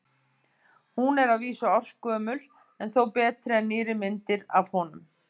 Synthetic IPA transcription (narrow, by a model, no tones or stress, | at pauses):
hunɛɾaðviːsʏawr̥skœːmʏl | ɛnθowpɛːt̪ɾɪɛnːɪːɾɪmɪnt̪ɪɾa̰vhɔnʏm